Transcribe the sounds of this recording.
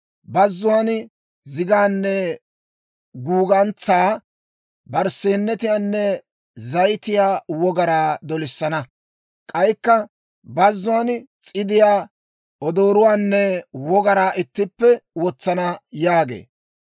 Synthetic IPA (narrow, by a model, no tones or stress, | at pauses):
bɐzːʊaːn | zɪɡaːnːɛ | ɡuːɡɐnt͡saː | bɐɾseːnːɛt̪ɪjaːnːɛ | zɐjt̪ɪjaːwɔɡɐɾaːd̪ɔlɪsːɐnɐ | kʼɐjkːɐ | bɐzːʊaːnt͡sʼɪd̪ɪjaː | ʔɔd̪o̞ːɾʊwaːnːɛwɔɡɐɾaːʔɪt̪ːɪpːɛwɔt͡sːɐnɐjaːɡḛː